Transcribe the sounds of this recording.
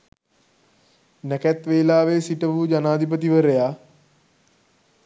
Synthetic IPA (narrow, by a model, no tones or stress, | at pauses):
nɛkæt̪ʋeːlaːʋesiʈəʋud͡ʒanaːd̪ʱip̬ət̪̬iʋəɾejaː